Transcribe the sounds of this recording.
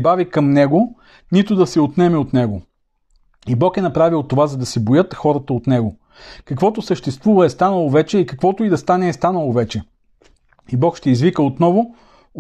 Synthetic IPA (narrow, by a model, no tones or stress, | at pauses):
bavikɐmnɛɡo | nit̪ʊd̪ɐsɛot̪nɛmɛot̪nɛɡo | ibɔkɛnɐpɾavilˠt̪ːovazɐd̪ɐsɛbojɤt̪xɔɾət̪əot̪nɛɡo | kɐkvɔt̪ʊsəʃt̪ɛst̪vuvɐɛst̪anəlˠovɛt͡ʃɛikɐkvɔt̪ʊid̪ɐst̪anɛːst̪anəlˠovɛt͡ʃɛ | ibɔkʃt̪ɛizvikəot̪nɔvʊ